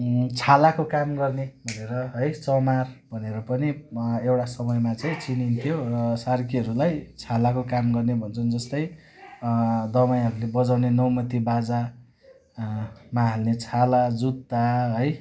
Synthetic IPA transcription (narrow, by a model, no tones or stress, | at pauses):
t͡sʰalakokamɡʌrnebʱʌneɾʌɦʌjt͡sʌmarbʱʌneɾʌpʌniewʈasʌmʌjmat͡saĩt͡sinint̪ʰijoʌsarkʰiʌɾulajt͡sʰalakokamɡʌrnebʱʌnt͡sʰʌnd͡zʌst̪ʌj | d̪ʌmaj̃ɦʌɾulebʌd͡zawnenʌwmʌt̪ibad͡za | maɦalnet͡sʰalad͡zut̪ːaɦʌj